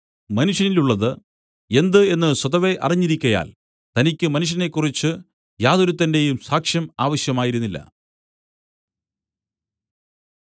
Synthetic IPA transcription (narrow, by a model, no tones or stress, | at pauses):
mɐnuʂjɐniluɭːɐðɨ | e̞nd̪ɨe̞nːɨswɐðɐʋe̞ʔɐ̰riɲːiɾikʲːɐja̰ːl | t̪ɐnikʲːɨmɐnuɕ̬jɐne̞kːurit͡ɕːɨ | jaːðoɾut̪ːɐnde̞jumsaːkʂjɐmaːʋɐɕjɐmaːjiɾunːilːɐ̰